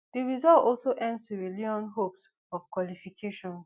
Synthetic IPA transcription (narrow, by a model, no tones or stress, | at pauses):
d̥iɹizɔltɔlsoʔɛ̃ndstuɹiliɔ̃nɦops | ɔfkwɔlifikʰeʃɔ̃n